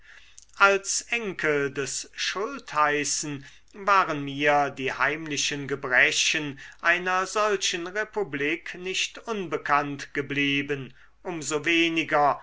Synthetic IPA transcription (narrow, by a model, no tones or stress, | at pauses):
ʔalsʔɛŋkʰəldɛsʃʊlthaɪsn̩ | vaːʁənmiːɐdiːhaɪmlɪʃənɡəbʁɛɕənʔaɪnɐzɔlʃənʁepubliːknɪʃtʔʊnbəkʰantɡ̥əbliːbən | ʔʊmzoveːnɪɡɐ